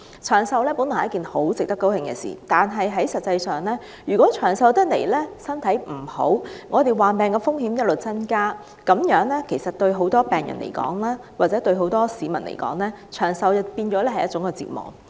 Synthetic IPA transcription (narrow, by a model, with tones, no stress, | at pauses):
t͡ʃʰœː˨˩ŋsɐ˧wlɛː˥pu˨˥nː˨jɐ˥kiː˨nho˨˥wt͡sɪ˨k̚t̪ɐ˥kːo˥whɪ˧ŋkɛ̰˧sḭː˨˩t̪aː˨nɦɐ˨jɦɐ˨˥jsɐ˨t̚t͡sːɐ˧jsœː˨ŋlɛː˥ | jyː˨˩kʷɔː˨˥t͡ʃʰœː˨˩ŋsɐ˨˧wt̪ɐ˥k̚lḛ˨˩jlɛː˥sɐ˥nt̪ʰɐ˨˥jm̩˨˩ho̰˨˥wŋɔː˨˧t̪e˨jwaː˨˩npɛː˨ŋkɛː˧fʊ˥ŋhiː˨˥mjɐ˥t̚lo˨wt͡sɐ˥nkaː˥ | kɐ˨˥mjœː˨˥ŋlɛː˥kʰe˨˩jsɐ˨t̚t̪ɵ˧ɥɦo˨˥wt̪ɔː˥pɛː˨˩ŋjɐ̰˨˩nlḛ˨˩jkɔ̰ː˨˥ŋlaː˥ | waː˨k̚t͡sɛ˨˥t̪ɵ˧ɥɦo˨˥wt̪ɔː˥siː˨˧mɐ˨˩nlʔḛ˨˩jkɔ̰ː˨˥ŋlɛː˥ | t͡ʃʰœː˨˩ŋsɐ˨˧wjɐ˨˧piː˧nt͡ʃɔː˨˥lɛː˥hɐ˨jɐ˥t͡sʊ˨˥ŋkɛː˧t͡sḭː˨t̚mɔ̰ː˨˩ŋ